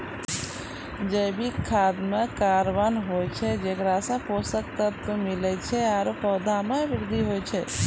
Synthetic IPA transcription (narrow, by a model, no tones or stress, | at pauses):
d͡ʒəbʱikʰaːd̪mekaɾʋanɦot͡ʃʰɛd͡ʒekɾasə̃posək̚t̪ət̪ːumilɛt͡ʃʰɛaɾopəwd̪ʱameʋɪɾd̪ʱiɦojt͡ʃʰɛ